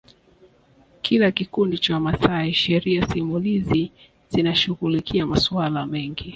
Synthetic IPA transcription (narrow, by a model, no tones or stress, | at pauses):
kʰilakikundit͡ʃawmasaiʃɛɾiasimulizi | zinaʃuɣulikʰiamaswalamɛŋɡi